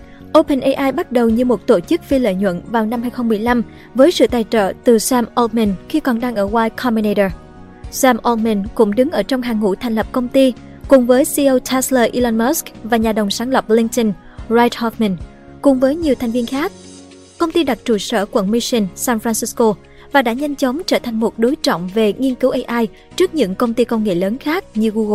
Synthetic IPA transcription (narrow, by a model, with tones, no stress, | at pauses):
ʔo˧pə˧nʔə˧jʔaː˧jɓa˦˥t̚ɗə˨˩wɲɨ˧mo˨˩t̚t̪o˧˩t͡ɕɨ˦˥k̚fi˧lə̰˧˨jɲwə̰˧˨nvaː˨˩wna˧mhɦaː˧jxə˧wŋ͡mmɨ˨˩əjla˧m | vəː˨˦jsɨ̰˧˨t̪aː˨˩jt͡ɕə̰ː˧˨t̪ɨ˨˩saː˧mʔo˧mi˧˩nxi˧kɔ˨˩nɗaː˧ŋʔəː˧˩waː˧jkʰɔ˧mi˧ne˧jɗə˧˩ | saː˧mʔɔ˧lmi˧˩nkʊ̰˧˥ŋ͡mɗɨ˨˦ŋʔəː˧˩t͡ɕɔ˧wŋ͡mɦaː˨˩ŋṵ˧˩t̪ʰjŋ̟lə˨˩p̚kə˧wŋ͡mt̪i˧ | kʊ˨˩ŋ͡mvəː˨˦jsi˧ʔə˧wtʰɛ˧˥sləː˧ʔi˧la˧nmɔ˦˥sk̚vaː˨˩ɲaː˨˩ɗə˨˩wŋ͡msaː˨˦nlə˨˩p̚li˧ŋt̪ə˧n | zaː˧jt̚hɔ˧fmə˧˩n | kʊ˨˩ŋ͡mvəː˨˦jɲi˨˩əwt̪ʰɛ˨˩jŋ̟vi˧ənxaː˦˥k̚ | kə˧wŋ͡mt̪i˧ɗa˨˩t̚t͡ɕu˧˩sə̰ː˧˩kwə̰˧˩nmi˧si˧nsaː˧nfɾaː˧nsi˧˥sko˧ | vaː˨˩ɗa̰ː˧˥ɲa˧jŋ̟t͡ɕə˨˦wŋ͡mt͡ɕəː˧˩t̪ʰa˨˩jŋ̟mo˨˩t̚ɗo˨˦jt͡ɕɔ̰˧˨ŋ͡mve˨˩ŋi˧ənkɨ˨˦wʔə˧jʔaː˧j | t͡ɕɨ˦˥ək̚ɲɨ̰˧˥ŋkə˧wŋ͡mt̪i˧kə˧wŋ͡mŋḛ˧˨ləː˨˦nxaː˦˥k̚ɲɨ˧ɣu˧ɣ